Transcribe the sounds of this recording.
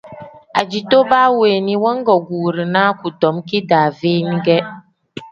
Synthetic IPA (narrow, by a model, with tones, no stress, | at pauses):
a˨d͡ʒi˨to˦ba˦weː˨ni˨wɔ˦ŋ˦ɡɔ˨ɡu˨ɾi˨naː˦ku˨tɔ˨˦mki˦daː˨veː˦mi˦ɡɛ˦